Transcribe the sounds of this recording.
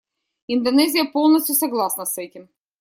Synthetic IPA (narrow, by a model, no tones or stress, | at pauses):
ind̪ɐnɛzʲɪjɐpolˠnɐsʲt̪ʲjʊsɐɡlˠɑsnɐsɛtʲɪm